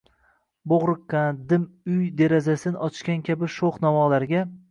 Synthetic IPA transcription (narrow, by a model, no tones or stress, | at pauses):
boʁɾɨqːand̪ɪmʊjd̪eɾazasɪnɒt͡ʃʃkʲankʲʰabɪʃoχnɒvɒlˠaɾɡʲa